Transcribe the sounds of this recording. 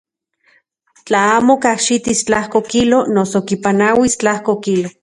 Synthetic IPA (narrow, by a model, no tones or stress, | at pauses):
t͡ɬaaːmokahʃit̪ist͡ɬahkokilonosokipanawist͡ɬahkokilo